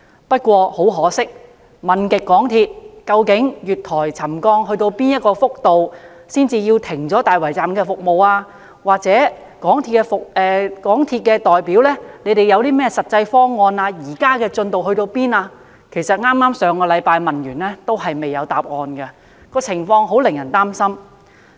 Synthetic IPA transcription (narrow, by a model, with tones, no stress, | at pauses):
pɐ˥t̚kʷɔː˧ho˨˥wɦɔː˨˥sɪ˥k̚ | mɐ˨nkɪ˨kːɔː˨˥ŋt̪ʰiː˧t̚kɐ˧wkɪ˨˥ŋjyː˨t̚t̪ʰɔː˨˩jt͡sʰɐ˨˩mkɔː˧ŋɦɵ˧t̪o˧wpiː˥njɐ˥t̚kɔː˧fʊ˥k̚t̪o˨w | siː˥nt͡siː˧jiː˧wt̪ʰɪ˨˩ŋt͡sɔː˨˥t̪aː˨jwɐ˨˩jt͡saː˨mkɛː˧fʊ˨k̚mo˨waː˧ | waː˨k̚t͡sɛː˨˥ | kɔː˨˥ŋt̪ʰi˧kːɛ˧fʊ˨k̚ʔɛː˨kɔː˨˥ŋt̪ʰiː˧t̚kɛː˧t̪ɔː˨jpiː˨˥wlɛː˥ne˨˧jt̪e˨jɐ˨˧wt̪iː˥mɛː˥sɐ˨t̚t͡sɐ˧jfɔː˥ŋːɔː˧naː˧jiː˨˩kaː˥kɛː˧t͡ʃɵ˧nt̪o˨wɦɵ˧ɥt̪o˧wpiː˥naː˧ | kʰe˨˩jsɐ˨t̚ŋaː˥mːaː˥msœː˨˧ŋkɔː˧lɐ˨˧jpaː˧jmɐ˨njyː˨˩nlɛː˥t̪o˥wɦɐ˨jme˨jɐ˨˧wt̪aː˨p̚ŋɔː˧nkɛ˧ | kɔː˧t͡sʰɪ˨˩ŋfɔː˧ŋɦo˨˥wlɪ˨˩ŋjɐ˨˩nt̪aː˥msɐ˥m